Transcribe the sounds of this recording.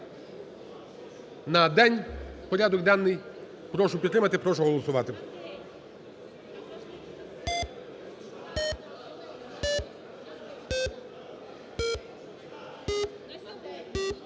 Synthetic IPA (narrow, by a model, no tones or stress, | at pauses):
nɐd̪ɛnʲpɔɾʲad̪ɔɡd̪anːɪj | pɾɔʃʊpʲit̪ɾɪmɐt̪ɪpɾɔʃʊɦɔlˠɔsʊʋɑt̪ɪ